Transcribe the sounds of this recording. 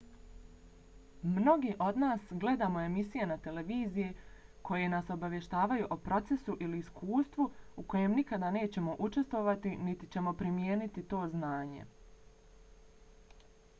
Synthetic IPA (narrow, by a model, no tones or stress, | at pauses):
mno̞ɡiʔo̞d̪naːsɡle̞d̪amo̞e̞misijenat̪e̞leʋiːzijekʰo̞je̞naso̞baʋje̞ʃt̪aːʋajuʔopɾo̞t̪se̞suʔiliːskʰuːst̪ʋuuko̞je̞mnikad̪ane̞ːt͡ɕe̞mo̞ʔut͡ʃe̞st̪ʋo̞ʋat̪init̪it͡ɕe̞mo̞pɾimjeːnit̪it̪o̞ːznaːɲe̞̰